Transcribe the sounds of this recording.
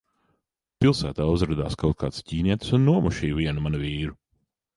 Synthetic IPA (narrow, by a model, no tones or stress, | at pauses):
pilˠsæːt̪aːuzɾad̪aːskawt̪̚ka̰ːt̪sciːniɛt̪sunːuɔmuʃiːviɛnumanuviːɾu